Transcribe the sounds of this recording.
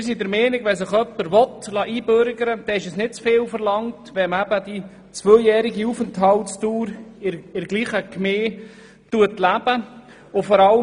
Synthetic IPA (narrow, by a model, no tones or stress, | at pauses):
ɪɾs̬idəɾmɛːnɪɡʋɛsəχœpːəɾʋɔtlɑːʔiːbøɾɡəɾəd̥ɛɪʃəsnɪt̚t͡sfɪːlfəɾlɑŋtʋɛmæbədi | t͡sʋœjɛːɾɪɡiufəntɦɑltstuːɾɪɪɾɡliːχəkmeː | tuətlæb̥ə | ʊfɔɾɑl